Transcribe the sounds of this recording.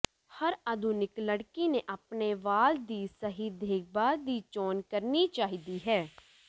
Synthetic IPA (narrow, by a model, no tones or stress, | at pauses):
həɾəd̪ʱʊnɪkləɽkinẽʔəpneʋaːld̪iːsəɦid̪ʱeːɡ̚baːld̪iːt͡ʃɔːnkəɾnit͡ʃaːɦid̪iːɦɛː